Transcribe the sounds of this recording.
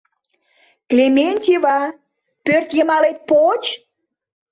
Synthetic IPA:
klʲemʲenʲt̪ʲiβɑ | pørt̪jəmɑlet̪̚pot͡ɕ

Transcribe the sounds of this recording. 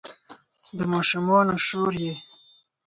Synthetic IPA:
d̪əmɑʃʊmɑnoʃoɾje

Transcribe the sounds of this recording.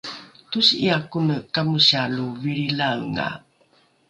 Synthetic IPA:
tusiakunəkamuɕaluviɾilawŋa̰

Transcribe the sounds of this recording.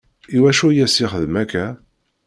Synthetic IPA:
iwæʃujæsiχəðmækːæ

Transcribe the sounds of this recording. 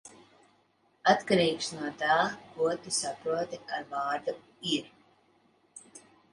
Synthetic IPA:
at̪kaɾiːksnuɔt̪aːkuɔt̪isapɾuɔt̪ɛaɾvaːɾd̪u | iɾ

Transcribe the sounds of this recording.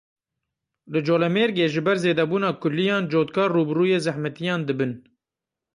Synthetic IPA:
lɨd͡ʒoːlɛmeːɾɡeːʒɨbɛɾzeːd̪ɛbuːnɑːkʰʊlːijɑːnd͡ʒoːt̪kʰɑːrːuːbruːjeːzæhmɛt̪ijɑːnd̪ɨbɨn

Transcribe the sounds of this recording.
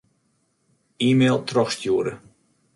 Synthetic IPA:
iːmeːlˠtʰrɔxstjuəɾə

